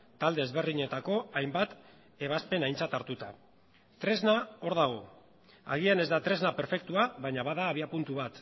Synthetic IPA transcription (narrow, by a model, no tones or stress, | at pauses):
t̪ald̪eːzβe̞rðiɲe̞t̪ako̞ajmbat̪ | e̞β̞aspe̞najnt͡sat̪aɾt̪ut̪a | t̪ɾe̞znao̞ɾðaɣ̞o̞ | a̰ɣ̞iane̞zd̪at̪ɾe̞znape̞ɾfe̞k̚t̪uaβajɲaβaðaːβ̞iapunt̪uβat̪